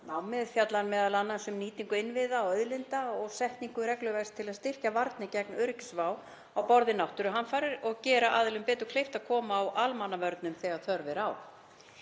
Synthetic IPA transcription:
nawmɪðfjat̪lanmɛːðalanːansɛmniːt̪iŋkʏɪnvɪðaɔœðlɪnt̪aɔɣsɛht̪niŋkʏɾɛklʏvɛst̪ʰɪlaðst̪ɪr̥cavaɾt̪nɪcɛknœːɾɪcɪ̥svaːw | awpɔɾðɪnawht̪ʏɾʏɦanfaɾɪɾɔɣcɛːɾaʔaːðɪlʏmpɛːt̪ʏ̥kʰlejft̪aðkʰɔːmaːwʔalmanːavœɾt̪nʏmθɛɣaɾθœɾvɪɾaːw

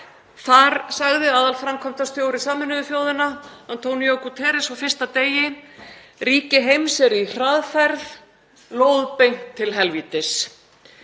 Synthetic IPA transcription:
θaɾsaɣðɪaːðalfɾamkʰɔm̥t̪ast̪joːwɾɪsaːmɪnʏðʏfjoːwðɪnaant̪ʰowniokut̪ʰɛːɾɪsawfɪrst̪at̪eːjɪ | riːcɪɦejmsɛɾir̥aðfɛɾð | loːwðpejŋ̥t̪ʰːɪlɦɛlviːt̪ɪs

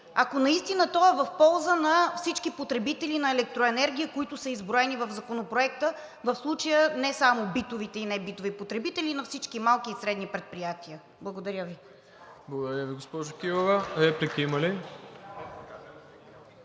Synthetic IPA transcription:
akonɐist̪inət̪ɔɛvɐfpɔlˠzənɐfsit͡ʃkipot̪ɾɛbit̪ɛlinɐɛlɛk̚t̪ɾoɛnɛɾɡ̟ʲijəkoit̪ʊsəizbɾoɛnivɐvzɐkonopɾoɛkt̪ə | vɐfslˠut͡ʃəjənɛsamobit̪ovit̪ɛinɛbit̪ovipot̪ɾɛbit̪ɛlʲinɐfsit͡ʃkimalˠkiːsɾɛd̪nipɾɛt̪̚pɾijat̪iə | blˠɐɡod̪ɐɾʲəvi | blˠɐɡod̪ɐɾʲjəviɡospɔʒokivovəɾɛplikiimɐli

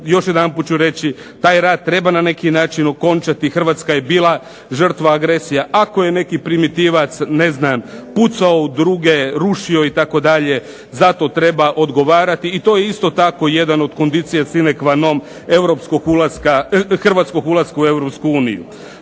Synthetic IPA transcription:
joʃjed̪anput̪̚t͡ʃuɾe̞t͡ɕi | t̪aːjɾaːt̪̚t̪ːɾe̞banane̞kinaːt͡ʃino̞ko̞nt͡ʃat̪ixr̩ʋaːt̪skaje̞biːlˠa | ʒər̩t̪ʋaːɡɾesijaʔakoje̞ne̞kipɾimit̪iʋat̪sne̞znamput̪saoud̪ɾuɡeɾuʃio̞it̪ako̞d̪aʎe̞ | zat̪o̞t̪ɾe̞baʔo̞d̪ɡo̞ʋaːɾat̪iːt̪o̞jeist̪o̞t̪ako̞je̞d̪ano̞d̪ko̞nd̪it̪sijasinekʋano̞m | eʋɾopskoɡulaskaxr̩ʋat̪sko̞ɡulˠaskaue̞ʋɾo̞pskuuːnḭjṵ

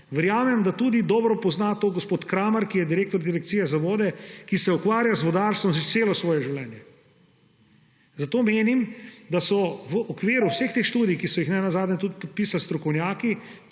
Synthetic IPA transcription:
ʋɛɾjaːmɛmd̪at̪uːd̪id̪ɔːbɾɔpɔznat̪oːɡospoːt̪kɾaːmaɾkijɛd̪iɾeːkt̪ɔɾd̪iɾɛk̚t̪siːjɛzaʋɔːd̪ɛkisɛukʋaːɾjazʋɔd̪aɾst̪ʋɔmseːlɔsʋɔːjɛʒiwlɛːnjɛ | zat̪oːmeːnimd̪asɔʋəʔɔkʋiːɾuwsext̪eːxʃt̪uːd̪ijkisɔjixnɛnazaːd̪nʲɛt̪ud̪pɔt̪̚piːsalst̪ɾɔkɔwnjaːki

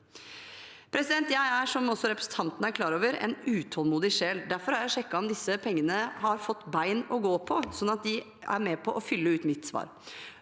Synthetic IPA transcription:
pʰɾɛsɪd̪ɛnt̪jæɪæʂɔmɔsːɔɾɛpɾə̥sn̩t̪ʰɑnt̪ənəæɾkʰlɑːɾoːʋəɾɛ̰nʉːt̪ʰɔlmuːd̪ɪʂeːld̪æɾfɔɾæɾjæɪʂɛkːɑɔmd̪ɪsːəpʰɛŋːənəhɑɾfɔt̪ːbæɪnɔɡoːpʰɔsɔnːɑt̪̚d̪ɪ | æ̰ɾmɛpʰɔʔɔfʏlːəʉːt̪mɪt̪ːsʋɑ̰ːɾ

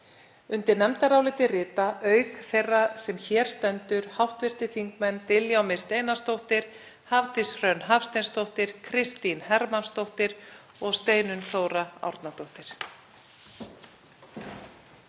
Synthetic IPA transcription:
ʏnt̪ɪɾnɛmt̪aɾawlɪːt̪ɪrɪːt̪aʔœːɥkθejrːasɛmçɛːɾ̥st̪ɛnt̪ʏɾ̥hawht̪vɪr̥t̪ɪθiŋkmɛnt̪ɪljawmɪst̪ejnast̪owht̪ɪɾ̥ | havt̪ɪsrœnɦafst̪ejnst̪owht̪ɪɾ̥kʰɾɪst̪inhɛɾmanst̪owht̪ɪɾ | ɔɣst̪eːjnʏnθoːwɾaa̰wɾt̪nat̪owht̪ɪɾ̥

